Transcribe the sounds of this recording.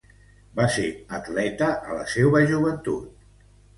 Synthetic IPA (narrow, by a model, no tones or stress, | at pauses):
baseət̪lɛt̪əʔə̰lə̰seβəʒuβənt̪ṵt̪̚